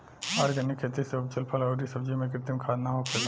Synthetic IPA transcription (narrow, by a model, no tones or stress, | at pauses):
aːɾɡɐnɪkʰːeːt̪iseʊb̚t͡ʃɐlpʰəlɐːɾisɐb̚d͡ʒimẽk̬ɾɪt̪ɪmkʰaːd̪naɦokʰɐ